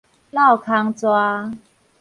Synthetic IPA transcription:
la˥˩wkʰa˧ŋt͡swa˧

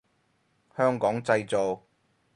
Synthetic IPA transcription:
hœː˥ŋkɔː˨˥ŋt͡sɐ˧jt͡so˨w

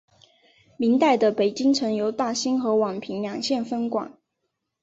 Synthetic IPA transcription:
mi˧˥nt̪a˥˩ɪd̪ə˩pe˨˩ɪt͡ɕi˥ŋʈ͡ʂʰɤ˧˥ŋjo˧˥ʊt̪a˥˩ɕi˥nxɤ˧˥wɑ˨˩ŋpʰi˧˥ŋljɑ˨˩ŋɕjɛ˥˩nfə˥nkwɑ̰˨˩˦ŋ

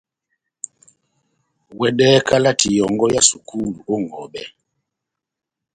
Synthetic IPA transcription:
wɛ˨dɛ˦kʰa˦la˦ti˨jɔ˨ŋɡɔ˦ja˦su˨ku˦lu˨o˦ŋ˨ɡɔ˨bɛ˦

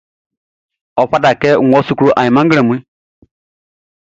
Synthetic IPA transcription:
ɔ˨ɸa˦da˨kɛ˦˨ŋ˨ɔ˦su˦kɾu˦ʔa˨ɲi˨mã˦ŋ˦ɡle˨mʷu˦i˦

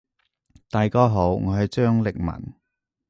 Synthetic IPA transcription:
t̪aː˨jkɔː˥ɦo˨˥wŋɔː˨˧hɐ˨jt͡ʃœː˥ŋlɪ˨k̚mɐ̰˨˩n

